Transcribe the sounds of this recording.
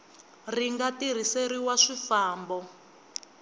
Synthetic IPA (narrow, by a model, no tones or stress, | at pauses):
riŋɡatir̤iseɾiwaʂifaːmbɔ